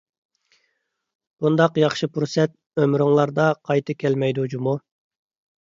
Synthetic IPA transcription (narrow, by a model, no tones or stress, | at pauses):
b̥und̪ɑqjɑχʃɨpʰuɾsɛt̪̚ | ømɾuŋlˠɑɾd̪ɑqʰɑjt̪ʰɨkʲʰɛlmɛjd̪ud͡ʒumu